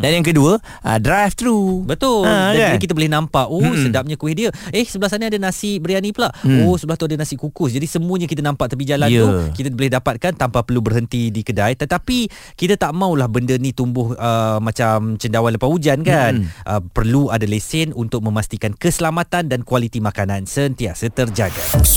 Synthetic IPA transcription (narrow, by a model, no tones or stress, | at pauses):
danjaŋkəduə | ʔə̰dɾaft̪ɾubət̪ʊladikit̪̬əbolɛhnãmpaʔosədap̚ɲãkuwɪhdiəɛhsəbəlasaniadanãsɪʔ̚bəɾianĩpəlaʔosəbəlaht̪uadanasɪʔkukʊsd͡ʒadisəmuəɲakit̪̬ənãmpaʔt̪apid͡ʒalanukit̪əbolɪhdapat̪̚kant̪ampapərlubərɦənt̪idikədait̪ət̪api | kit̪at̪aʔmãuwlahbəndənĩt̪umbʊhəmːãt͡ʃamt͡ʃəndawanləpahud͡ʒankanʔəpərluadalesɪnunt̪ʊk̚mə̃mast̪ikankəsəlamat̪andankwalit̪imakanansənt̪iaʔsət̪ərd͡ʒaɡa̰